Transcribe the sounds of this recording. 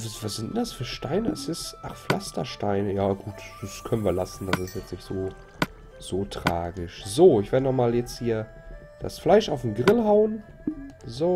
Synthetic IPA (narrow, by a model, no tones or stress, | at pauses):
vivasz̥ɪntnd̥asfyːɐʃtaɪnəɛ̰sɪstʔa̰χflastɐ̰ʃtaɪnəjaːɡ̥uːtd̥askʰœnənviːɐlasn̩d̥asɪstjɛt͡snɪçtz̥oː | z̥oːtʁ̥a̰ːɡɪʃz̥oːɪçv̥eːɐdənɔχmaːljɛt͡sthiːɐ | d̥a̰sflaɪʃaʊfm̩ɡʁɪlɦaʊən | zoː